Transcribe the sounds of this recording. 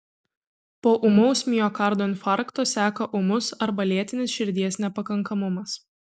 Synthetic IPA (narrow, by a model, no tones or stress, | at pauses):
poːʔʊmoʊsʲmʲijoːkɑˑɾd̪oːɪnʲfɑˑɾkt̪oːsʲæːkɐʔʊmʊsɐɾbɐlʲiɛt̪ʲɪnʲɪsʃʲɪɾʲd̪ʲiɛsnʲɛpɐkɐŋˑkɐmʊmɐs